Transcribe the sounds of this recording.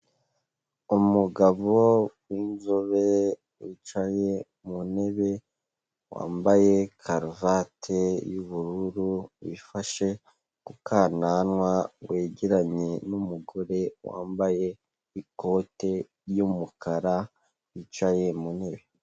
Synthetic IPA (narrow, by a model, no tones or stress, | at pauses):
umuɡaβowiːnzoβe | wit͡ʃaje̞ | mune̞βe̞ | wa̰ːmbaje̞kʰaɾvatʰejuβuɾuɾuwifaʃe̞ | kukaːnanwawe̞ːɟeɾaɲe̞numuɡo̞ɾe̞wa̰ːmbaje | iko̞te̞ | ɾjumukaɾa | wit͡ʃaje̞mune̞βe̞